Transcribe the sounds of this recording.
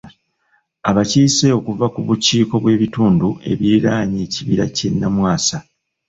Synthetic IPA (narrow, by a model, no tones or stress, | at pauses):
aβaciːse̞o̞kuvakuβuciːko̞βwe̞ːβituːndue̞̰βiɾaːɲeːciβiɾa̰cenːamwaːsa